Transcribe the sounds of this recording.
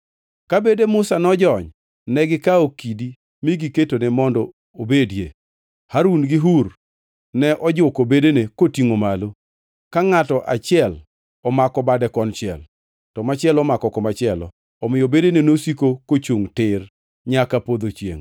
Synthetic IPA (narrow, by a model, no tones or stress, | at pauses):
kabedemʊsanɔd͡ʒɔɲ | nɛɡɪkaokidi | miɡiketonemɔndɔ | obedjḛ | haɾunɡɪɦur | nɛʔɔd͡ʒʊkobedenekotiŋomalo | kaŋatɔʔat͡ʃɪɛl | ɔmakɔbadɛkɔnt͡ʃɪɛ̰l | tɔmat͡ʃɪɛlɔmakɔkɔmat͡ʃɪɛlɔ̰ː | mɪjobedenenosikokot͡ʃuŋtɪr | ɲakapod̪ot͡ʃjḛŋ